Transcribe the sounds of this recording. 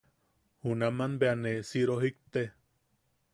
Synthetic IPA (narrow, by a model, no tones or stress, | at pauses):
hunamanbeanesiɾoɦik̚t̪e